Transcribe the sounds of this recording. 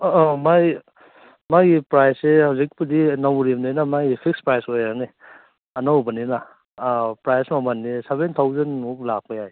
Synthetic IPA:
maj | majɡipɾajsehawzik̚pidinawɾibninamaɡipʰik̚spɾajsojane | ɐnawbɐnina | pɾajsmamanːisebentʰawzɐnuk̚lak̚pajaj

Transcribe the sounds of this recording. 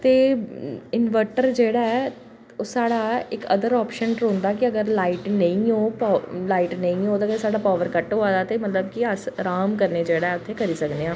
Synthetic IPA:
t̪eː | ɪnʋəɾʈəɾd͡ʒeːɽaːɛ | oːsaːɽaːɪkə̰d̪əɾɔːpʃənɾõːnd̪aːkɪəɡəɾlaːiːʈnə̃ĩːɦoːpːlaːiːʈnəĩːɦoːt̪aːɡəsaːɽaːpaːʋəɾkəʈɦoːaːd̪aːt̪eːmət̪ləbkiəsɾaːmkəɾneːd͡ʒeːɽaːɛːʊt̪ʰːeːkəɾiːsəkd̪eːãː

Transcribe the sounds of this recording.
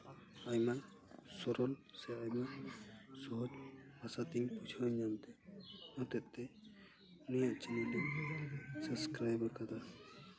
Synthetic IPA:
ajma | sɔɾɔlseajma | sɔɦɔd͡ʒbʱasat̪iŋput͡ʃʰɔjd͡ʒant̪ɛɔt̪et̪ːe | unijaʔt͡ʃinile | səbskɾajbɔɾkat̪ʰa

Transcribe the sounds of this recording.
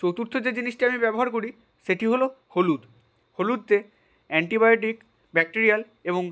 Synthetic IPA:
t͡ɕowt̪uɾt̪ʰːod͡ʑed͡ʑiniʃʈiamibɛboɦaɾkoɾi | ʃeʈiɦoloholud̪ | holud̪̚t̪e | ɛɳʈibajoʈ̬ik | bɛk̚ʈiɾial | eboŋ

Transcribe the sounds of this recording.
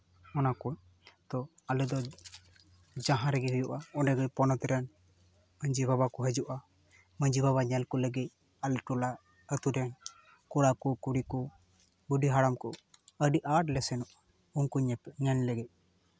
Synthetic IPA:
ɔnakuɲ | t̪ɔ | alɛd̪ɔ | d͡ʒaɦãɾɛɡɛɦujuʔaɔnɖɛɡɔpɔnɔt̪ɛɾɛn | məɲd͡ʒibʱabakɔɦəd͡ʒuʔa | məɲd͡ʒibʱaβaɲɛlkɔləɡɛc̚ | alʈula | ət̪uɾɛn | kuɽakukuɽiku | buɖiɦaɽamkɔəɖiʔʔaʈlɛsɛnɔʔ | unkuɲɛɲɛnlɛɡɛc̚

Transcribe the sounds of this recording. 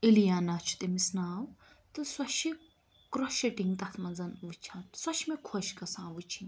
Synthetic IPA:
ilijaːnat͡ʃʰu̥t̪imisnaːw | t̪ɨswɐʃi | kɾoʃɐʈiŋɡt̪ɐt̪ʰmɐnzɐnʋɨt͡ʃʰaːnswɐʃmekʰoʃkɐsãːʋɨt͡ʃʰinʲ

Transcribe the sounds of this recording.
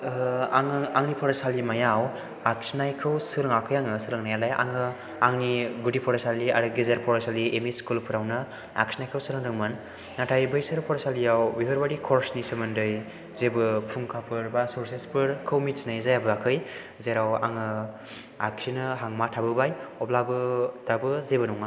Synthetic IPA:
aŋaŋnipʰɔɾɔsalimajaw | ak̚snajkʰɯwsɯɾɯŋakʰɯjaŋɯsɯɾɯŋnajalaja̰ŋɯ | aŋniɡudipʰɔɾɔsalia̰ɾɯɡizeɾpʰɔɾɔsaliʔemiskulpʰɯɾawnɯ | a̰k̚snajkʰɯwsɯɾɯŋɾɯŋmanː | atʰajbɯjsɯɾpʰɔɾɔsalijawbibʰɯɾbaɾikʰɔɾsnisɯmɯndɯj | zebɯpʰuŋkʰapʰɯɾbasuɾsespʰɯɾkʰɯwmitsnajzajabɯakʰɯj | zeɾawa̰ŋɯ | ak̚sinɯɦaŋmatʰabɯbajɔplabɯd̥abɯzebɯnuŋa

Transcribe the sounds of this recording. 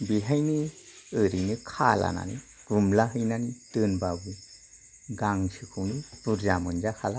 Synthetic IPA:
biɦajniɯɾinɯkʰala̰na̰ni | ɡ̥umlaɦɯjnanitɯnbabɯ | ɡaŋsʰikʰɯwnipuɾzamɯnd͡ʒakʰala

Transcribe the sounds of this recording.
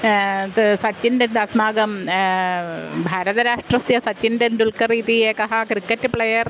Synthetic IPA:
sɐt͡ɕːindenɖɐsmaːɡɐm | bʱaːɾɐðɐɾaːʂʈrɐsjɐsɐt͡ɕːindɐnd̪ulkɐriːðieːkɐɦakrikːɐtːɨpɭejɐr

